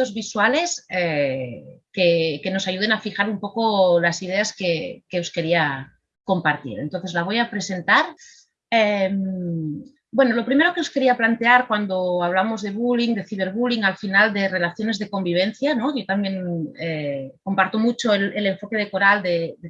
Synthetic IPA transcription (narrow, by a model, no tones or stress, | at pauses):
ozβiswale̞se | kekeno̞saʝuð̞e̞nafixaɾumpo̞kolasið̞e̞askekeoske̞ɾia | ko̞mpaɾt̪ḭɾent̪on̟θe̞zlaβ̞o̞japɾe̞se̞nt̪aɾ | em | bwe̞no̞lo̞pɾime̞ɾo̞keo̞ske̞ɾiaplant̪e̞aɾkwand̪o̞aβ̞lamo̞zðe̞β̞uliŋd̪e̞θiβe̞ɾβuliŋalfinald̪e̞re̞laθjo̞ne̞zðe̞ko̞mbiβ̞e̞nθjano̞ʝo̞t̪ambje̞ŋeko̞mpaɾt̪omut͡ʃo̞elele̞ɱfo̞ke̞ð̞e̞ko̞ɾald̪ede